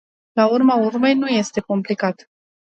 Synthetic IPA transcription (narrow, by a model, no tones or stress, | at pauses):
laurmaurme̞jnuje̞st̪e̞ko̞mplikat̪